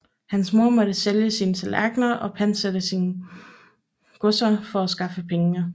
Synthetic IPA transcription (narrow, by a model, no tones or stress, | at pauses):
hænsmo̝ɐ̰mɒ̽ɾ̥əseljəsiːnsʰelæ̰ɡ̥nɐʔɒ̽pʰæn̰sed̥əsiːn | ɡ̥ɔsɐfɒ̽æsɡ̥ɑ̈fəpʰeŋə